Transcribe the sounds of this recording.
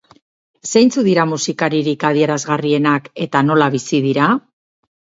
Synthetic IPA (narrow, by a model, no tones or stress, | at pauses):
sejnt͡suðiɾamusikaɾiɾikaðie̞ɾazɣarie̞nake̞t̪ano̞laβisiðiɾa